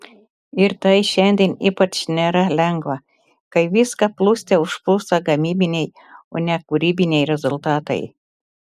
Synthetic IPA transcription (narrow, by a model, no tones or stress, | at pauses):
ɪɾt̪ɐɪʃʲɛnʲd̪ʲiːniːpɐt͡ʃnʲeɾɐlʲɛŋɡʋɐ | kɐɪʋʲiːskɐplˠuːsʲt̪ʲɛʊʃplˠuːst̪ɐɡɐmʲiːbʲɪnʲɛj | o̰ːnʲɛkʊɾʲiːbʲɪnʲɛjɾʲɛzʊlˠt̪ɑːt̪ɐ̰ɪ